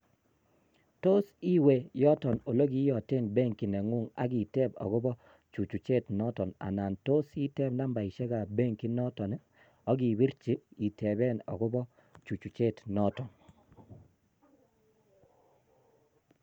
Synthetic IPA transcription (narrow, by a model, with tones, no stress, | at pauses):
to˦si˦we˨jɔ˦tɔ˨no˨lo˦ki˦jɔ˨te˦˨nbe˦ŋki˨nɛ˨ŋu˦˨ŋa̰˨˦ɡi˨tɛ˦bɔ̰˨ɣɔ˦bɔ˦ | t͡ʃu˨t͡ʃu˨t͡ʃe˦˨tnɔ˦tɔ˨na̰˨na˨nto˦si˦tɛ˦bna˦mba˨ɪ˨ʃɛ˦ka˨be˦ŋki˦nɔ˦tɔ˨n | ɔ˦ɡi˨bi˦ɾt͡ʃi˦i˨tɛ˨bɛ˦nɔ̰˨ɡɔ˦bɔ˦ | t͡ʃu˨t͡ʃu˨t͡ʃe˦˨tnɔ˦tɔ˨n